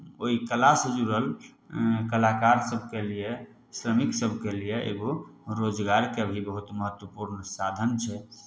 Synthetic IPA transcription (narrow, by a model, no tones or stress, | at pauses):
oikəlasd͡ʒuɾəl | kəlakaɾsəbʱkelije | sɾəmiksəbʱkelieʔḛɡoɾod͡ʒɡaɾkeəbʱibəɦut̪məɦət̪wəpuɾnsad̪ʱənt͡ʃʰɛ